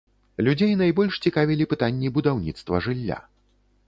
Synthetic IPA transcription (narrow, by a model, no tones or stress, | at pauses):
lʲud͡zʲejnajbɔlʲʂt͡sʲikavʲilʲipɨt̪anʲːibud̪awnʲit̪st̪vɐ̰ʐɨlʲːa̰